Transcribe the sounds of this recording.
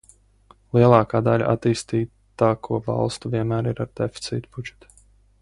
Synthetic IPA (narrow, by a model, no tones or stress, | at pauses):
lˠiɛlˠɑːkaːd̪alʲa̰ʔa̰t̪iːst̪iː | t̪ːaːkʰuɔvɑ̰lˠst̪uviɛnmæːɾiɾaɾd̪̥efʲi̥t̪sḭːt̪ub̥ud͡ʒɛ̥t̪u̥